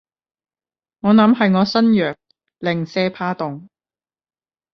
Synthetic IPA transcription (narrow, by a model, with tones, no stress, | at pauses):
ŋɔː˨˧nɐ˨˧˥mɦɐ˨jŋɔː˨˧sɐ˥njœː˨k̚ | lɪ˨ŋsɛː˧pʰaː˧t̪ʊ˨ŋ